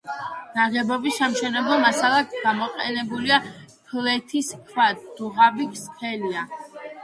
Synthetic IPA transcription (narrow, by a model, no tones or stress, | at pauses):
naʁɛbɔbisːamʃɛnɛblˠɔmasalˠak̪ɡ̥amɔqʼɛnɛbulia | pʰlɛt̪ʰiskʰwad̪̥uʁabikʰstʰɛlia